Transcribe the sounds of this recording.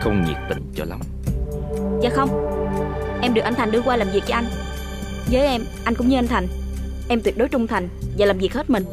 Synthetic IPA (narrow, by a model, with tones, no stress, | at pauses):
xə˧wŋ͡mŋi˨˩ət̚t̪ï˧˩ŋ̟t͡ɕɔ̰˧la̰˨˦ŋ͡m | zaː˨˩xə˧wŋ͡m | ʔɛ˧mɗɨ˨˩ək̚ʔa˧nt̪ʰŋɗɨ˧əkwaː˧laː˨˩mvi˨˩ək̚t͡ɕɔ˧ʔa˧jŋ̟ | zəː˨˦jʔɛ˧m | ʔa˧jkʊ̰˧˥ŋ͡mɲɨ˧ʔa˧n̟t̪ʰa˨˩jŋ̟ | ʔɛ˧mt̪wi˨˩t̚ɗo˨˦jt͡ɕʊ˧ŋ͡mt̪ʰa˨˩jŋ̟vaː˨˩laː˨˩mvi˨˩k̚he˦˥t̚mï˨˩ŋ̟